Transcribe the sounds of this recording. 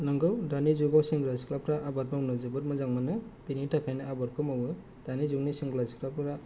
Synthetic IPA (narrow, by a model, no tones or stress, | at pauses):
nɯŋɡɯwdanizuɡawsiŋɡlaziklap̚ɾaʔabat̚mawnɯzɯbɯɾmɯzaŋmanɯb̥initʰakʰajnɯabaɾkʰɯmɔwɯ | d̥anizuŋnisiŋɡlazi̥klap̚ɾa